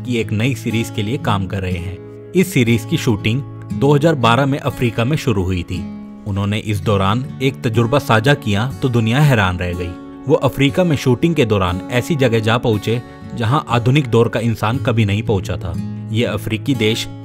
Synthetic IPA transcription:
kieːknɐisiːɾiːzkeliekaːmkɐɾːɐɦeɦɛ̃ː | ɪsːiːɾiːzkiʃuːʈɪ̃ŋɡ | d̪oːɦɐzaːɾbaːɾamẽʔɐfɾiːkamẽʃʊɾuɦʊit̪ʰiː | ʊnɦõːneʔɪs̬d̪ɔːɾaːneːk̚t̪ɐd͡ʒʊɾbasaːd͡ʒakijat̪od̪ʊnijaɦɛːɾaːnɾɛɦɡɐiː | ʋoːʔɐfɾiːkamẽʃuːʈɪ̃ŋɡ̚ked̪ɔːɾaːnɛːsid͡ʒɐɡɛɦd͡ʒaːpɐɦʊ̃t͡ʃe | d͡ʒɐɦãʔaːd̪ʱʊnɪk̚d̪ɔːɾkaɪ̃nsaːnkɐbʱinɐɦĩpɐ̃ɦʊ̃t͡ʃat̪ʰa̰ːjeɐfɾiːkid̪eːʃ

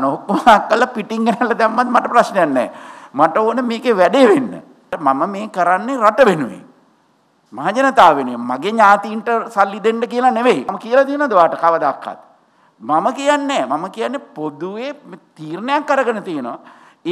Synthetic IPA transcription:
nookːomaakːəlːapiʈiŋɡenælːəd̪ɛmːat̪maʈəpɾasnejanːɛ̰ːmaʈəoːnəmeːkeʋɛɖeʋenːə̰ | maməmeːkəɾanːeɾaʈəʋenuʋḛ | maɦad͡ʒənət̪aːʋenijemaɡeɲaːt̪iːɳʈəsalːid̪eɳɖəkijəlaneʋejaməkijəlat̪iənɔd̪əʋaːʈəkaʋəd̪akːa̰t̪̚ | maməkijanːɛːmaməkijanːepod̪uʋemt̪iːrnəjakːəɾəɡənət̪ijənɔ̰a

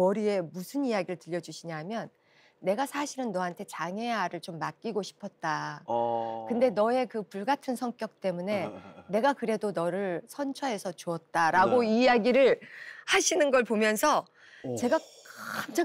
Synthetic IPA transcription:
ʌɾie̞musʰɯnijaɡiɾɯɭtɯʎːʌd͡ʑuɕʰiɲaɦamjʌnː | e̞ɡasʰaɕʰiɾɯnːʌɦantʰe̞t͡ɕaŋe̞jaɾɯɭt͡ɕomːak̚k͈iɡoɕʰi̥pʰʌt̚t͈a | kɯnde̞nʌe̞kɯpuɭɡatʰɯnsʰʌŋk͈jʌk̚t͈e̞mune̞ne̞ɡakɯɾe̞donʌɾɯɭsʰʌnt͡ɕʰʌɦe̞sʰʌt͡ɕuʌt̚t͈aɾaɡoijaɡiɾɯɭhaɕʰinɯnɡʌɭpomjʌnsʰʌ | t͡ɕe̞ɡakama

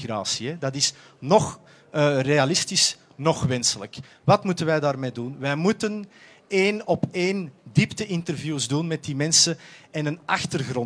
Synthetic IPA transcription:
ra̰ːsiɛdɑtɪs | nɔx | reɑlɪstis | nɔxʋɛnsələk | ʋɑtmutənʋɛjdaːrmeːdunʋɛjmutən | eːnɔpeːndiptəʔɪntərvjuːzdunmɛt̚dimɛnsəɛnənɑxtərɣrɔ

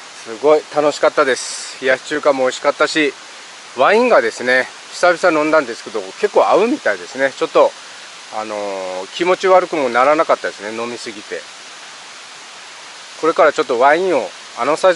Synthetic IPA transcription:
sɨɡo̞it̪ano̞ɕi̥kat̪ːad̪e̞sɨ̥jat͡ɕɨːkamoːiɕi̥kat̪ːaɕi | βãĩŋɡad̪e̞sɨne̞ | ɕi̥sabʲisanõ̞nd̪ãnd̪e̞sɨ̥ke̞d̪o̞ke̞kːo̞ːaɯ̟mʲit̪aid̪e̞sɨne̞t͡ɕo̞t̪ːo̞ | ano̞kʲimo̞t͡ɕiβaɾɯ̟kɯ̟mo̞naɾanakat̪ːad̪e̞sɨne̞no̞mʲisɨɡʲit̪e̞̰ | ko̞ɾe̞kaɾat͡ɕo̞t̪ːoβãĩɰ̃o̞ | ano̞sa

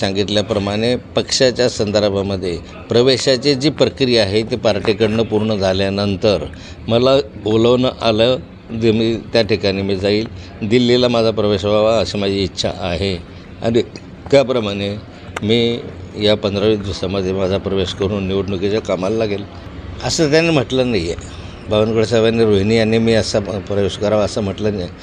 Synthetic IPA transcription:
sãŋɡit̪ljapɾəmaɽ̃epəkʂat͡ɕjasənd̪əɾbʱaməd̪ʱːje | pɾəʋeɕat͡ɕed͡ʑiːpɾəkɾijaɦet̪epaɾʈikəɽɳəpuɾɳəd͡zʱaljanənt̪əɾ | məlaboləʋnəʔalə | d̪emiːt̪jaʈikaɽ̃iːmiːd͡zaiːl | d̪ilːilamad͡zʱapɾəʋeɕbʱaʋaəsemad͡ʑʱiːtːɕʰa̰ʔaɦe | a̰ɽ̃i | kjapɾəmaɽ̃e | miːjapənd̪ʱɾəʋiːsd̪ʋəsaməd̪ʱjemad͡zʱapɾəʋeɕkəɾuːnːiʋuɽnukit͡ɕakamalːaɡel | əsət̪̬janem̤əʈlənajḛ | baʋənkəɽsəʋjanːiɾoɦnianimiːəsapɾəjuʂkəɾaʋəsəm̤əʈlənje

